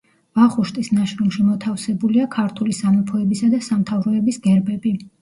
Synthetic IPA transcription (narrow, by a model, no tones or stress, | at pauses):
vaχuʃt̪ʼisnaʃɾumʃimɔt̪ʰafsɛbuliakʰaɾt̪ʰulisamɔpʰɔɛbisad̪asamt̪ʰavɾɔɛbisɡɛɾbɛbi